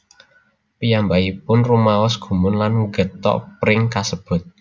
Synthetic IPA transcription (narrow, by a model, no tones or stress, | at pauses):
pijambaipʊnrumaɔsɡ̥ṳmʊnlanɡət̪ɔ̰ʔpɾɪŋkasəb̥ʊ̤t̪̚